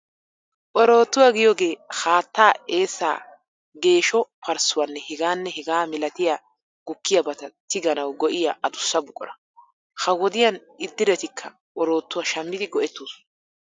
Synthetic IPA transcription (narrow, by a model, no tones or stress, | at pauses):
ʔɔɾo̞ːt̪ːʊwɐɡɪjoːɡe̞ːhaːt̪ːaːe̞ːsːa̰ː | ɡe̞ːʃɔpʰɐɾsʊwɐnːɛhɛɡaːnːɛhɛɡaːmɪlɐt̪ɪja | ɡ̥ʊkːɪjɐbɐt̪ɐt̪ɪɡɐnɐwɡɔʔɪjɐʔɐd̪ʊsːɐbʊkʼːɔ̰ɾɐ | hɐwɔd̪ɪjɐn | ɪd̪ːɪɾɛt̪ɪkʰːɐ | ʔɔɾo̞ːt̪ːʊwɐʃɐmːɪd̪ɪɡɔʔɛt̪ːuːs